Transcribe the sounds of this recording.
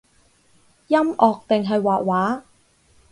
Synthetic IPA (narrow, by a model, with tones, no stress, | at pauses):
jɐ˥mɔː˨k̚t̪ɪ˨ŋɦɐ˨jwaː˨ʔ̚waː˨˥